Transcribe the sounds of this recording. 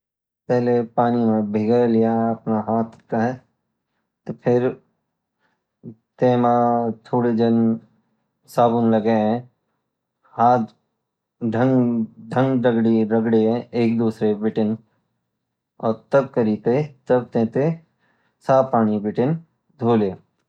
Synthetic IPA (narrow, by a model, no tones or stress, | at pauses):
pɛɦlepaːnimẽbʱɪɡəlɪjaɐpnaɦaːt̪ʰkaɦɛ | t̪opʰɪɾ | t̪ẽːmãt̪ʰoːɽed͡ʒən | saːbʊnləɡeɦɛ̃ | haːt̪ | ɖʱə̃ŋɡɖʱə̃ŋɡɖəɡɽiɾəɡɽeɦɛ̃eːkd̪uːsɾebɪʈɪn | ɔːɾt̪ɐb̚kəɾit̪et̪əb̚t̪ẽːt̪e | saːpaːnibɪʈɪn | d̪ʱoːle